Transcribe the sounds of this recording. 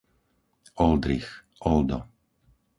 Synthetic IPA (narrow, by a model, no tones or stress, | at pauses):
ɔld̪ɾix | ʔɔld̪ɔ̰